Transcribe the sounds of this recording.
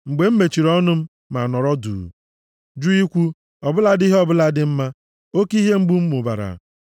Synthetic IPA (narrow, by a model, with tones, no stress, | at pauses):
ŋ͡m̩˨ɡ͡be˨m̩˦me˨t͡ʃi˨ɾɔ˦nʊ˦m̩˦ | ma˨nɔ˨ɾɔ˦dṵ˨ | d͡ʒu˦i˦kʷu˦ | ɔ˨bʊ˦la˦di˦ɦɔ˦bʊ˦la˦dɪ˦m̩˦ma˦ | o˦ki˦ɦe˦ŋ͡m̩˦ɡ͡bu˦m̩˦mʊ˨ba̰˨ɾa̰˨